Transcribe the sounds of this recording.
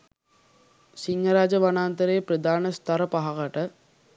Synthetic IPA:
siŋɡɐɾaːd͡ʒəʋanaːnt̪əɾeːpɾəd̪aːnəst̪ɐɾəpaɦaɣɐʈə

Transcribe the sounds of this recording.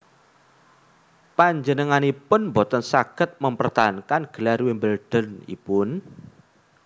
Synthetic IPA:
paɲd͡ʒənəŋanipʊnmbot̪ənsaɡ̥ət̪̚məmpərt̪aɦankanɡ̥ə̤larwimbəlɖ̥ə̤nḭpʊn

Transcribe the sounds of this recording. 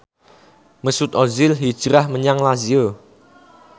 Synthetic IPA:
məsut̪ɔzɪlɦid̥ʒ̥ɾahməɲaŋlazio

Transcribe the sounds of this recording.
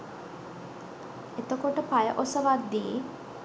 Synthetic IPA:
et̪əkoʈəpajəʔosəʋad̪d̪ie

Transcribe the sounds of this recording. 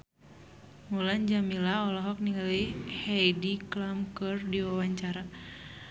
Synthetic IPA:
muland͡ʒamilaɔlɔɦɔk̚niŋalihɛjdiklamkɨrdiwawaɲt͡ʃaɾa

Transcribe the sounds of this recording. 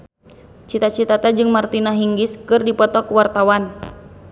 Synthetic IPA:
t͡ʃit̪at͡ʃit̪at̪ad͡ʒɨŋmart̪inaɦiŋɡiskɨrdipɔt̪ɔkuwart̪awan

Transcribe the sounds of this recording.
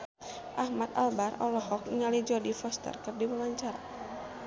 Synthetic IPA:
ʔahmat̪a̰lbarɔ̰lɔhɔk̚iŋalid͡ʒɔdifɔst̪ə̰rkɨrdiwəwaɲt͡ʃaɾa

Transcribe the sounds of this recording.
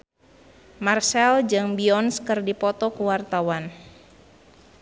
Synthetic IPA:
marsɛld͡ʒɨŋbiɔnskɨrdipɔt̪ɔkəwart̪awan

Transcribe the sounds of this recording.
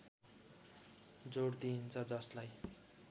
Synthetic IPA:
d͡zoɽd̪int͡sʰʌd͡zʌslaj

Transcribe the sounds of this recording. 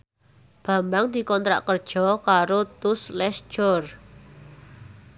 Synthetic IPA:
b̥a̤mbaŋd̪̥i̤kɔnt̪ɾa̰ʔkərd̥ʒ̥ɔ̤kaɾot̪ʊslɛst͡ʃɔr

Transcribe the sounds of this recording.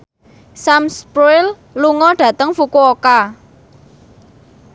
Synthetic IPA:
samspɾuɪl | luŋɔɖ̥ä̤t̪əŋfukuoka

